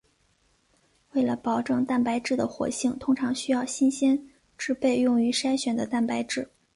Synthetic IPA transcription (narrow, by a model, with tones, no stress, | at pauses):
we˥˩ɪlə˩pɑ˨˩ʊʈ͡ʂɤ˥˧ŋt̪a˥˩npa˧˥ɪʈ͡ʂɻ̩˥˩d̪ə˩xwɔ̰˧˥ɕi˥˩ŋt̪ʰʊ˥ŋʈ͡ʂʰɑ˧˥ŋɕy˥jɑ˥˩ʊɕi˥nɕjɛ˥n | ʈ͡ʂɻ̩˥pe˥˧ɪjʊ˥˩ŋy˧˥ʂa˥ɪɕɥɛ˨˩nd̪ə˦t̪a˥˩npa˧˥ɪʈ͡ʂɻ̩˥˩